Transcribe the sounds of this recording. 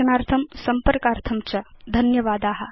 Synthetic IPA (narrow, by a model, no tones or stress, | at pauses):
ɐnaːɾt̪ʰɐmsɐmpɐɾkaːɾt̪ʰɐmt͡ʃɐd̪ʱɐnjɐʋaːd̪aːɦɐ̆